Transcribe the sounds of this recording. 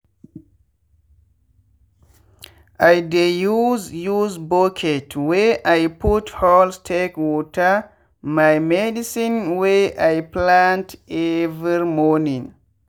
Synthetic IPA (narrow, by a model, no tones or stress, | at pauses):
ʔajdejuzjuzbokʰɛtwɛʔajputhɔlstʰekwɔtʰa | majmɛdisĩnwɛʔajplãntɛvɾiɹimɔnĩŋ